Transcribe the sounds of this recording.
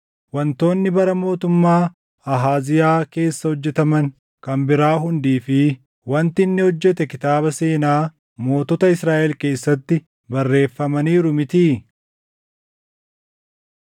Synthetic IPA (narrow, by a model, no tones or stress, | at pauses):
wɐnt̪o̞ːnːɪbɐɾɐmo̞ːt̪ʊmːaː | ɐɦaːzɪjaːke̞ːsːɐhɔd͡ʒːɛt̪ɐmɐŋ | kɐmbɪɾaːɦʊnd̪iːfɪ | wɐnt̪ɪɪnːɛhɔd͡ʒːɛt̪ɛkɪt̪aːbɐse̞ːnaː | mo̞ːt̪ɔt̪ɐɪsɾaːʔɛlke̞ːsːɐt̪ːɪ | bɐrːe̞ːfːɐmɐniːɾʊmɪt̪iː